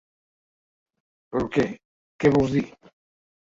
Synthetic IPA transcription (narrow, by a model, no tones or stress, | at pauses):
peɾke | keβozði